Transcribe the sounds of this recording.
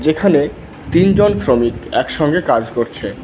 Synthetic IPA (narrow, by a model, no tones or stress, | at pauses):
d͡ʑekʰane | t̪ind͡ʑonsɾomikɛkʃɔŋɡekad͡ʑkoɾt͡ɕʰe